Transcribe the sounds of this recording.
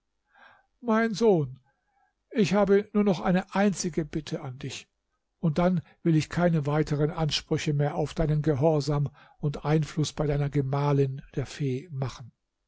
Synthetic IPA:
maɪnzoːn | ʔɪçhaːbənuːɐnɔχʔa̰ɪnəʔaɪnt͡sɪɡəbɪtʰəʔandɪç | ʊnt̚d̥anvɪlɪçkʰaɪnəvaɪtʰəʁənʔanʃpʁ̥ʏçəmeːɐʔaʊfd̥aɪnənɡəɦɔɐzaːm | ʊntʔaɪnflʊsb̥aɪdaɪnɐɡəmaːlɪnd̥eːɐfeːmaχn̩

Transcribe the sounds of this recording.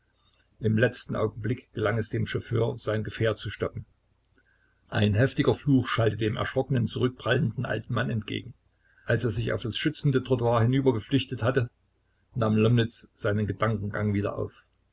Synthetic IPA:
ʔɪmlɛt͡stn̩ʔa̰ʊɡŋ̩blɪkɡ̥əlaŋɛsd̥eːmʃofø̰ːɐz̥aɪnɡəfeːɐt͡suʃtɔkm̩ | ʔaɪnɦɛftɪɡɐfluːxʃaltədeːmʔɛ̰ɐʃʁ̥ɔkənənt͡suʁʏk̚b̥ʁ̥aləndn̩ʔa̰ltn̩manɛntɡ̥ḛːɡŋ̩ | ʔalseːɐzɪça̰ʊfd̥asʃʏt͡sn̩dətʁ̥otuaːɐhɪnyːbɐɡəflɪçtəthatə | naːmlɔmnɪt͡sz̥aɪnənɡədaŋkŋ̩ɡaŋviːdɐ̰ʔa̰ʊf

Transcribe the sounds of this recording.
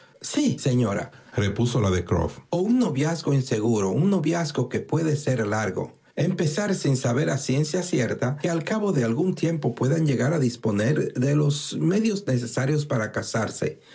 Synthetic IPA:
sise̞ɲo̞ɾa̰repuso̞laðekɾo̰founːo̞βjazko̞inse̞ɣuɾo̞unːo̞βjasko̞ke̞pwe̞ðe̞se̞ɾlaɾɣo̞̰ | empe̞saɾsinsaβe̞ɾasje̞nsjasje̞ɾt̪akealkaβo̞ðe̞alɣunt̪je̞mpo̞pwe̞ðanʝe̞ɣaɾaðispo̞ne̞ɾðe̞lo̞sme̞ðjo̞zne̞s̬e̞saɾjo̞spaɾakasaɾse̞̰

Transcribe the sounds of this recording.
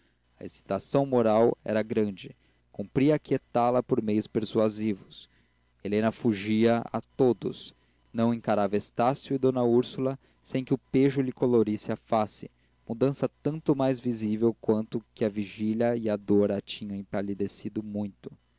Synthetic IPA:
ɐḛsi̥t̪asɐ̃w̃moɾawɛ̰ɾɐɡɾɐ̃nd͡ʒɪ | kũmpɾiɐket̪alɐpoɾmejʊspeɾsuazivʊs | elẽnɐfuʒiɐa̰t̪od̪ʊ̰s | nɐ̃w̃ẽŋkaɾavɐest̪asjʊɪd̪õnɐuɾsulɐ | sẽj̃kɪʊpeʒʊlɪkoloɾisɪafasɪ | mud̪ɐ̃sɐt̪ɐ̃nt̪ʊmajzvizivewkwɐ̃nt̪ʊkɪɐviʒiʎɐɪɐd̪oɾat͡ʃĩɲɐ̃w̃ẽjpalid̪esid̪ʊmũj̃t̪ʊ̥

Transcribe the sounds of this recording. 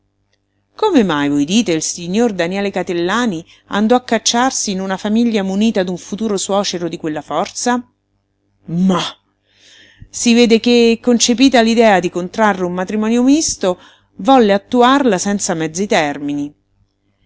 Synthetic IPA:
komemajvojd̪iːt̪eilsiɲːord̪anjɛːlekat̪elːaːni | a̰nd̪ɔakːat͡ʃːarsiːnunafamiʎːamuniːt̪ad̪uɱfut̪uːɾoswɔːt͡ʃeɾod̪ikwelːafɔrt̪sa | ma | siveːd̪ekekːont͡ʃepiːt̪alid̪ɛːad̪ikont̪ɾarːeummat̪ɾimɔːnjomist̪o | vɔlːeat̪ːuarlasɛnt̪samɛd̪zːit̪ɛrmini

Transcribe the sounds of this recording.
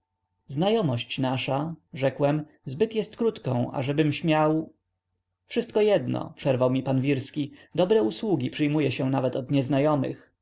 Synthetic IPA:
znajɔmɔɕt͡ɕnaʂaʐɛkwɛm | zbɘt̪jɛst̪kɾut̪kɔ̃w̃ʔa̰ʐɛbɘmɕmʲjaw | fʂɘst̪̚kɔjɛd̪nɔ̰pʂɛɾvawmʲipanvʲiɾskʲid̪ɔbɾɛuswuɡʲipʂɘjmujɛɕɛ̃navɛt̪ɔd̪ɲɛznajɔmɘ̰x

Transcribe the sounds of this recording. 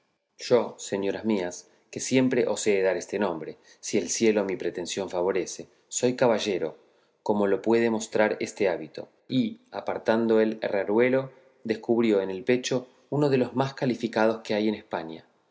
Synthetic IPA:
ʒ̥o̞se̞ɲjo̞ɾazmias | ke̞sje̞mpɾe̞ʔo̞se̞ːðaɾest̪e̞nõ̞mbɾe̞ | sie̞lsje̞lo̞mipɾe̞t̪e̞nsjo̞ɱfaβ̞o̞ɾe̞se̞ | so̞jkaβaʒe̞ɾo̞ | ko̞mo̞lo̞pwe̞ðe̞mo̞st̪ɾaɾe̞st̪e̞aβit̪o̞̰ | iapaɾt̪and̪o̞elraɾwe̞lo̞ | d̪e̞skuβɾjo̞ene̞lpe̞t͡ʃo̞ | uno̞ð̞e̞lo̞zmaskalifikað̞o̞ske̞ajenespaɲa̰

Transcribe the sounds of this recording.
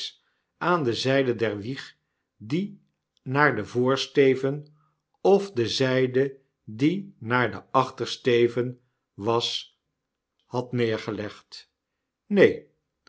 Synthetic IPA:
s | ʔaːndəzɛjdədɛɹʋiχ | di | naːɹdəvʊːɹstejvən | ɔvdəzɛjdə | dinaːɹdəɑχtəɹstejvən | ʋɑs | hɑtnɪːɹχəlɛχt | nej

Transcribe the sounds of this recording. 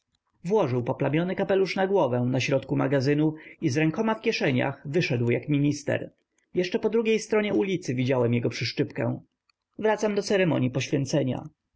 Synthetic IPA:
vwɔʐɘwpɔplamʲjɔnɘkapɛluʂnaɡwɔvɛw̃naɕɾɔt̪kumaɡazɘnuizɾɛŋkɔmafkʲjɛʂɛɲa̰xvɘʂɛd̪wjakmʲiɲist̪ɛ̰ɾ | jɛʂt͡ʂɛpɔd̪ɾuɡʲejst̪ɾɔɲɛulʲit̪sɘvʲid͡ʑawɛmjɛɡɔpʂɘʂt͡ʂɘpkɛ̰̃w̃ | vɾat̪samd̪ɔt̪sɛɾɛmɔ̰ɲjipɔɕfʲjɛnt̪sɛɲa̰

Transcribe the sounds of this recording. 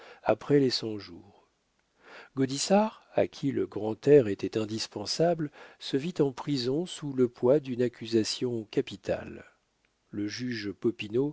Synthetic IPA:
a̰pχɛlesɑ̃ʒuːʁ | ɡod̪isaʁ | a̰kʲʰiləɡʁɑ̃t̪ɛʁet̪ɛt̪ɛ̃d̪ispɑ̃sablsəvit̪ɑ̃pχizɔ̃suləpwad̪ynakʲyzasjɔ̃kapit̪ʰa̰lː | əʒyʒpɔpino

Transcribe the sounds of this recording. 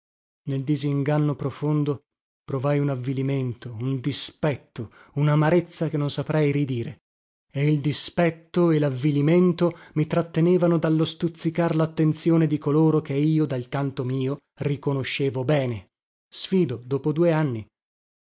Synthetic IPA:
neld̪iziŋɡanːopɾofond̪o | pɾovajunavːiliment̪ound̪ispɛt̪ːounamaɾet̪sːakenːonsapɾɛjrid̪iːɾe | eild̪ispɛt̪ːoelavːiliment̪omit̪ɾat̪ːeneːvanod̪alːost̪ut̪sːikarlat̪ːent̪sjoːned̪ikoloːɾokeiːod̪alkant̪omiːo | rikonoʃːeːvobɛːne | sfiːd̪od̪oːpod̪uːeanːi

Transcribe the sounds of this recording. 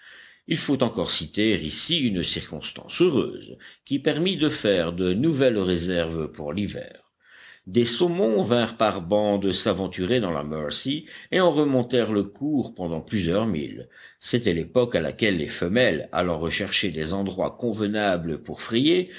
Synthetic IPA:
ilfot̪ɑ̃kɔʁsit̪eʁḭsiynsiʁkɔ̰̃st̪ɑ̰̃søʁø̰ːzkʲipɛʁmid̪əfɛʁd̪ənuvɛlʁezɛʁvpuʁlivɛ̰ːʁ | d̪esomɔ̃vɛ̃ʁpaʁbɑ̃d̪əsavɑ̃t̪yʁed̪ɑ̃la̰mœʁsieɑ̃ʁəmɔ̃t̪ɛʁləkʰuʁpɑ̃d̪ɑ̃plyzjœʁmḭl | set̪ɛlepɔkala̰kʲɛlːḛfəmɛla̰lɑ̃ʁəʃɛʁʃed̪ezɑ̃d̪ʁwa̰kɔ̃vənabləpuʁfχɛje

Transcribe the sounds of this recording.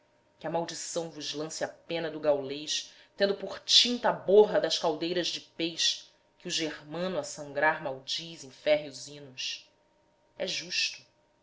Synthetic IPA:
kʲɪɐmawd͡ʒisɐ̃w̃vʊzlɐ̃sɪapẽnɐd̪ʊɡawlejʃ | t̪ẽnd̪ʊpʊχt͡ʃĩnt̪ɐaboɦɐd̪ɐʃkawd̪ejɾɐʒd͡ʒɪpejʃ | kɪuʒeɾmɐ̃nʊɐsɐ̃ŋɡɾaɾmawd͡ʒizẽj̃fɛɦjuzĩnʊs | ɛʒuʃt̪ʊ̥

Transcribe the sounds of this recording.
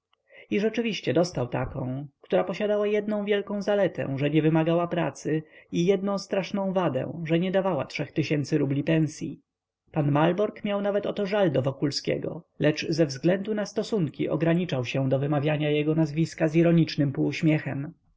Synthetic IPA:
iʐɛt͡ʂɘvʲiɕt͡ɕɛd̪ɔst̪awt̪a̰kɔ̃w̃kt̪uɾapɔɕad̪awajɛd̪nɔ̃w̃vʲjɛlkɔ̃w̃zalɛt̪ɛ̰̃ʐɛɲɛvɘmaɡawapɾa̰t̪sɘijɛd̪nɔ̃w̃st̪ɾaʂnɔ̃w̃vad̪ɛ̰̃ʐɛɲɛd̪avawa̰tʂɛxt̪ɘɕɛnt̪sɘɾublʲipɛñsʲjḭ | panmalbɔɾkmʲjawnavɛt̪ɔt̪ɔʐald̪ɔvɔkulskʲɛ̰ɡɔ̰ | lɛt͡ʂzɛvzɡlɛnd̪unast̪ɔsuŋkʲḭʔɔɡɾaɲit͡ʂawɕɛd̪ɔvɘmavʲjaɲajɛɡɔnazvʲiskaziɾɔɲit͡ʂnɘmpuːɕmʲjɛxɛm

